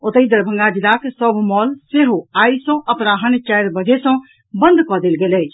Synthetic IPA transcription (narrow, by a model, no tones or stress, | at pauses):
ot̪əjd̪əɾbʱə̃ŋɡad͡ʒilaksəbʱmɔlseɦoajsɔ̃ʔəpɾaɦənt͡ʃajɾbəd͡ʒʱesə̃ | bənd̪ʱkɔd̪elɡelɛt͡ʃʰ